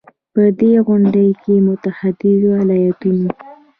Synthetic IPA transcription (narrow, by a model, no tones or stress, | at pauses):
pəd̪eɣʊɳɖəjkemʊt̪ahad̪ɪzoalajat̪uno